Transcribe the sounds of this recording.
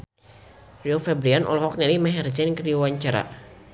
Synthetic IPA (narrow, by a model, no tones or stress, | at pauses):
riofɛbɾianʔɔ̰lɔɦɔk̚nɛlimɛɦɛrd͡ʒɛnkɾiwaɲt͡ʃaɾa̰